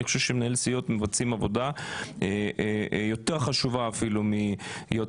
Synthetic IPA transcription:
iχʃuʃemenaelsijot̪mevat͡simavo̞d̪ae | jo̞t̪e̞ʁχaʃuvaːfilumijo

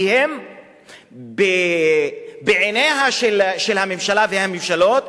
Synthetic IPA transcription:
hem | be | beʕeneɦaʃelʃelhamemʃalavehamimʃalo̞t̪

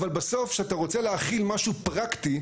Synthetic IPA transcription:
valbaso̞fʃeat̪aʁo̞t͡seleaχilmaʃupʁakt̪i

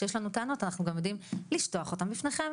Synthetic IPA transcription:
ʃejeʃlanutaano̞tanaχnuɡamjo̞d̪imliʃtoaχo̞tambifneχe̞m

